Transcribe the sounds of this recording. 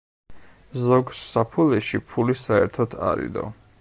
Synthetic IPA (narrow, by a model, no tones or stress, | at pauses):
zɔɡsːapʰulɛʃipʰulisaɛ̰ɾt̪ʰɔt̪ʰa̰ɾḭd̪ɔ̰